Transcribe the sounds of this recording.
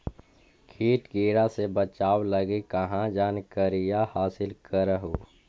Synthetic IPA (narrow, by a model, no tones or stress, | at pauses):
kʰiːʈɡiːɾasebət͡ʃaːwləɡekɐɦãd͡ʒaːnkəɾijahaːsɪlkəɾəɦoː